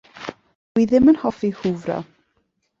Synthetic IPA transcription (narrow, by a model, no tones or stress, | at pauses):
dwiðɪmənhɔfihʊvrɔ̰